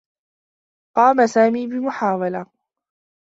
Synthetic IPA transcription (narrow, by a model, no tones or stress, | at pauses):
qɑːmasaːmiːbɪmʊħaːwala